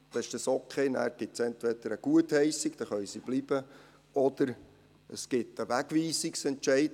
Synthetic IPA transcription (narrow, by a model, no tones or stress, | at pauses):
d̪̥ɑɪʃd̥ɑsokʰχeːnæ̰ːɾɡ̥ɪtsɛnt̪ʋɛd̪əɾəɡ̥uəthɛɪsiɡ̥d̥̪ɑχœʏsib̥libə | ɔd̪̥əɾ | əsɡ̥ɪtəʋæɡʋiːsiksɛnt͡ʃɛɪt